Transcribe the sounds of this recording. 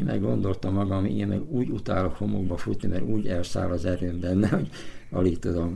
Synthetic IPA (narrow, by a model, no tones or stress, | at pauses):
mʔɛ̰ɡɡo̞nd̪o̞lt̪ɒmːɒɡɒmiḛːmmɛ̰ɡuːɟut̪aːlokho̞mo̰ɡbɒfut̪nimʔɛɾuːɟɛlsa̰ːlɒzɛɾøːmbɛnːɛhoɟ | ɒlit̪od̪om